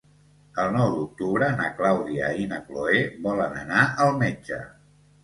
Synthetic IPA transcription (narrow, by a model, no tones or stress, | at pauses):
əlˠnɔwd̪uk̚t̪uβɾənəklawðiə̰inəkloeβɔlənənaʔəlˠmed͡ʒə̰